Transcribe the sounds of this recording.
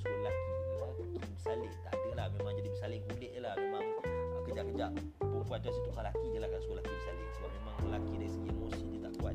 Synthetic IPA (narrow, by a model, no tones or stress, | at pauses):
səkolakiəlalakibəsalɪʔt̪a̰ʔkəlahmemaŋd͡ʒadibəsalɪkulɪʔɲəlahmemaŋəkəd͡ʒaʔkəd͡ʒaʔ | pʊŋkuat̪̚asət̪ukalakiɲəlahkansəkolakibəsalɪtabaʔmemaŋəlakidaisəɡiḛmosiɲət̪aʔkuat̪̚